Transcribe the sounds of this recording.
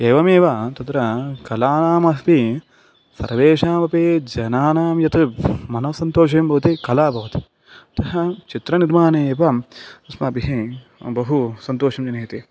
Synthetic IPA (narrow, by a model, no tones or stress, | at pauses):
eːʋɐmeːʋat̪ɐt̪ɾɐkɐlaːnaːmɐɦpi | sɐ̰ɾʋeːʂaːmɐpeːd͡ʒɐnaːnaːmjɐt̪ɨmɐnɐʋɐsɐnt̪oːʃ̬eːmbʱɐʋɐt̪ikɐlaːbʱɐʋɐt̪i̥ | ɐt̪ɐɦɐt͡ʃit̪ɾɐniɾmaːneːpɐɐsmɐːbiɦe | bɐɦusɐnt̪oːʃɐmd͡ʒɐnɐːit̪i